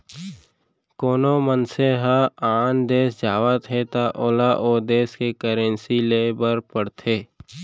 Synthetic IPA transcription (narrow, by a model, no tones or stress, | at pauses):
koːnomənseɦãaːnd̪eːsd͡ʒaːwət̪ɦet̪aʔoːlaʔoːd̪eːskekəɾə̃nsileːbəɾpəɽt̪ʰeː